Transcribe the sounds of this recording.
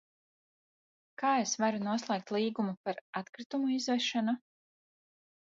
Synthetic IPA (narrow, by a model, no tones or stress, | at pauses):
kaːesvaɾunuɔslˠɛːk̚t̪ʲlˠiːɡumupaɾat̪kɾit̪umuizvɛʃanu